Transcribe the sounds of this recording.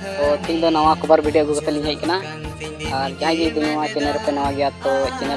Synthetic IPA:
t̪ɔt̪iʔd̪ɔnawãkɔbaɾbʱiɖijoɡuɡɔt̪ɛliɲɦɛc̚kana | aɾd͡ʒaɦãd͡ʒid̪uɲawãt͡ʃɛnɛɾupɛnawãɡɛjat̪ɔt͡ʃɛnɛ

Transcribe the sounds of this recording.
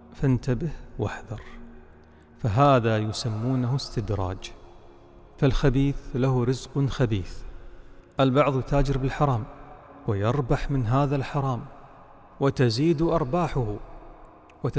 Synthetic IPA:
fant̪abɪhwaħðɑɾˤ | faɦaːðajʊsamːuːnahʊst̪ɪd̪ɾˤɑ̰ːd͡ʒ | falxabiːθlahɾɪzqxabiːθ | ʔalbɑʕðˤjt̪aːd͡ʒɪɾbɪlħɑɾˤɑːm | wɪjɑɾˤbaħmɪnɦaːðalħɑɾˤɑːm | wɪt̪aziːd̪ʔɑɾˤbaːħʊh | wɪ

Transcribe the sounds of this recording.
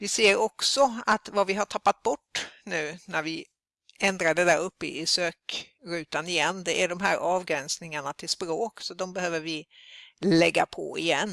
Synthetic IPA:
vɪseːɾɔksɔat̪vavɪɦaʈʰapːat̪̚bɔʈːnʉ̟ːnæɾvɪ | ɛnd̪ɾaɖɛd̪æɾɵpːə̰ʔɪsøːkɾʉ̟ːt̪anɪjɛnːd̪ɛʔæɖɔmɦæːɾʔɑːvɡɾɛnsnɪŋaɳat̪ʰɪlspɾoːksɔd̪ɔmbɛhøːvəɾvɪ | lɛɡːa̰pʰɔ̰ɪ̰jɛnː

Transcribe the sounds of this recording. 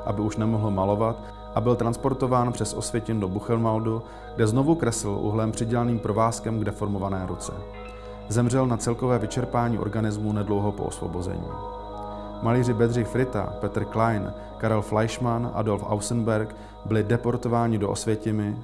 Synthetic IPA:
ʔabɪuʃnɛmo̞ɦl̩malo̞vat̪ | ʔabɪlt̪ɾanspo̞ɾt̪o̞vaːnpr̥ɛsʔo̞̰svjɛcɪndo̞buxɛlmawdu | ɡdɛzno̞vukɾɛsl̩ʔṵɦlɛmpr̥ɪɟɛlaniːmpɾo̞vaːskɛmɡdɛfo̞ɾmo̞vanɛːɾut͡sɛ̰ | zɛmr̝ɛlnat͡sɛlko̞vɛːvɪt͡ʃɛɾpaːɲiːʔo̞̰ɾɡanɪzmunɛdlo̞wɦo̞po̰ʔo̰svo̞̰bo̞zɛ̰ɲḭː | maliːrɪbɛd̪rɪxfɾɪt̪a̰pɛt̪r̩klajn | kaɾɛlflajʃmanʔa̰do̞lfʔa̰wsənbɛɾk | bɪlɪdɛpo̞ɾt̪o̞vaːɲɪdoʔo̰svjɛcɪmɪ

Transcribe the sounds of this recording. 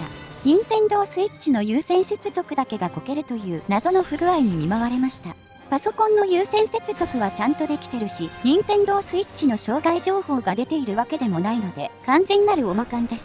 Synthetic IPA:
ɲ̟ĩmpẽ̞nd̪o̞ːsɨitt͡ɕino̞jɯːsẽ̞ɰ̃se̞t͡sɨzo̞kɯ̟d̪ake̞ɡako̞ke̞ɾɯ̟t̪o̞jɯ̟ːnazo̞no̞ɸɯ̟ɡɯ̟aiɲ̟imʲimaβaɾe̞maɕi̥t̪a | paso̞kõ̞nːo̞jɯːsẽ̞ɰ̃se̞t͡sɨzo̞kɯ̟β̞at͡ɕãnt̪o̞d̪e̞kʲi̥t̪e̞ɾɯ̟ɕiɲ̟ĩmpẽ̞nd̪o̞ːsɨit͡ɕino̞ɕo̞ːɡaiʑo̞ːho̞ːɡad̪e̞t̪e̞iɾɯ̟βake̞d̪e̞mo̞naino̞d̪e̞kãnzẽ̞ɲ̟inaɾɯ̟o̞makãnd̪e̞sɨ̥

